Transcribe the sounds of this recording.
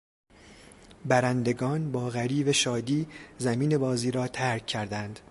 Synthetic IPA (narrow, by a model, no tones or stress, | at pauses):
bæɾænd̪e̞ɡɒːnbɒːɣæɾiːvæʃɒːd̪iːzæmiːne̞bɒːziːɾɒːt̪ʰæɾkʰːæɾd̪ænd̪̥